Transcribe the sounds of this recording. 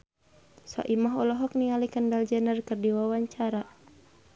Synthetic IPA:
sa̰ʔimaɦɔlɔɦɔk̚niŋalikəndald͡ʒənərkərdiwawaɲt͡ʃaɾa

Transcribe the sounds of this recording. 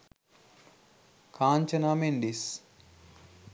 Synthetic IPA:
kʰaːnt͡ʃɐnaːmeɳɖis

